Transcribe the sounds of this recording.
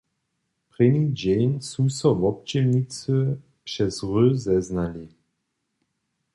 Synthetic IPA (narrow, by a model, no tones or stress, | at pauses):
pʁɪnʲid͡ʑɛɲsusɔvɔp̚t͡ɕɛmnit͡sə | pʂɛzʁøzɛznali